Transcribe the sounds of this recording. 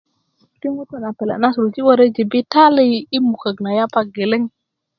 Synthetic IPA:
ki˦ŋu˦ta˨na˨pe˨la̰˨na˦su˨ɾu˨t͡ʃi˦wa˦ɾe˦d͡ʒi˨bi˦ta˦li˦i˦mu˨ka˨ɡna˨ja˦pa˨ɡe˨le˦ŋ

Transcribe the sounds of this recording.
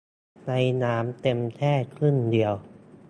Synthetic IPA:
na˧jnaː˩˦˥mt̪e˧mt̪ʰɛː˥˩t̪̚kʰɯ˥˩ndi˧əw

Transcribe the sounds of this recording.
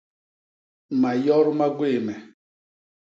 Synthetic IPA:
ma˨jɔ˦ɾma˦ɡwe˦˨mɛ˨

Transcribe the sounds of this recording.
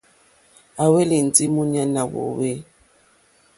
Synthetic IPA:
a˨we˦li˨n˨d͡zi˦mu˦ɲa˦na˨wɔ̰˨we˦

